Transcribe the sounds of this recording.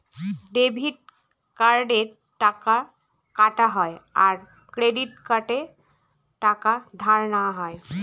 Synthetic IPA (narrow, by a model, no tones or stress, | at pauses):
ɖebʱiʈ̚ | kaɾɖe | ʈaka | kaʈaɦɔja̰ɾ | kɾeɖiʈ̚kaʈe | ʈakad̪ʱaɾnaɦɔj